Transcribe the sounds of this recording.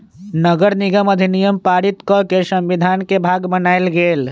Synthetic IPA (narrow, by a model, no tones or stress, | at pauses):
nəɡəɾniɡəməd̪ʱinijəmpaɾit̪kɔkesəmbid̪ʱankebʱaɡbənajlɡel